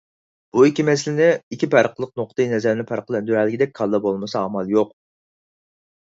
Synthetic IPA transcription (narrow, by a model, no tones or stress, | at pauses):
b̥uikʲimɛslɪnɪikʲipʰæɾqʰəlˠəqnoqt̪ɨjinɛzæɾɪnɪpʰæɾqəlˠɛnd̪yɾælːɪkʲʰɪd̪ɛk̚ʲkʰɑlˠd̪ɑbolˠmɨsɑːmɑlˠjoq